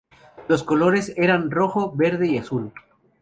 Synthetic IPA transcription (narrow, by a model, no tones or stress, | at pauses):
lo̞sko̞lo̞ɾe̞seɾanro̞xo̞βe̞ɾðeiasul